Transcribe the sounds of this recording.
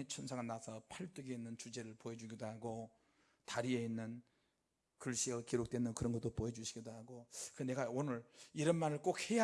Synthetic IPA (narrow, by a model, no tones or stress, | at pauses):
et͡ɕʰonsʰaŋanasʰʌpʰaɭt͈uɡeinːɯnt͡ɕud͡ʑe̞ɾɯɭpoed͡ʑuɡidɦaɡo | taɾieinːɯn | kɯɭɕ͈iʌkiɾok̚t͈wenːɯnkɯɾʌnɡʌt͈ːopoed͡ʑuɕʰiɡidaɦaɡokɯne̞ɡaonɯɾiɾʌnmaɾɯɭk͈ok̚heja